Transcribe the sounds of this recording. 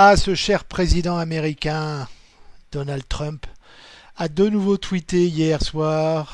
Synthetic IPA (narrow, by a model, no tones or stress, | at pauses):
asəʃɛʁpχezid̪ɑ̃ameʁikʲɛ̃ | d̪̥ɔnald̪̚t̪χœ̃p | ad̪ənuvot̪wit̪eijɛʁswaːʁ